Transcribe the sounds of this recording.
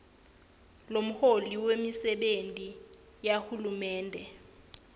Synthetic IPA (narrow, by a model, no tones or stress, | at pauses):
lom̩holiwemisɛɓentʼi | jaxulumɛːndʱɛ